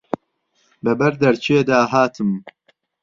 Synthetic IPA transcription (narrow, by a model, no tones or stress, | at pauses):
bɛbɛɾd̪ɐɾt͡ʃʰeːd̪aːɦaːt̪ʰɨm